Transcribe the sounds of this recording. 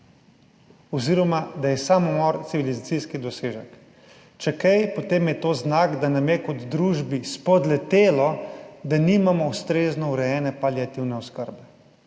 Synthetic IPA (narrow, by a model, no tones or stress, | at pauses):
ɔziɾɔmad̪ajɛsamumɔɾt̪siʋilizat̪siskid̪ɔseːʒɛk | t͡ʃɛkɛjpɔt̪eːmjɛt̪oːznaːkd̪anamjɛkɔd̪d̪ɾuːʒbispɔd̪lɛt̪eːlɔd̪aniːmamɔust̪ɾeːznɔuɾɛjɛːnɛpaliat̪iwnɛɔskəɾbɛ